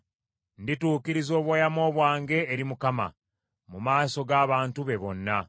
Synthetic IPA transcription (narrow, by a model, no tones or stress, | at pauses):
ndituːkiɾizo̞ːβwajamo̞ːβwaːŋɡe̞ːɾimukama̰ | mumaːso̞ɡaːβaːntuβe̞βo̞nːa